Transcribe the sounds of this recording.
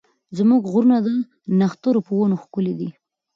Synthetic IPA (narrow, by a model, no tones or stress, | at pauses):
zmuɡɣɾunad̪a | naxt̪oɾopəwonoxkʊled̪i